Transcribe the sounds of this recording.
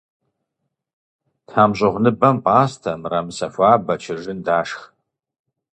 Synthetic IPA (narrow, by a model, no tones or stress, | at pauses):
tʰaːmʒʷɐʁʷnɨbɐmpʼaːstʰɐmramsɐfʷaːbɐt͡ʃʰɪʐɨndaːʂχ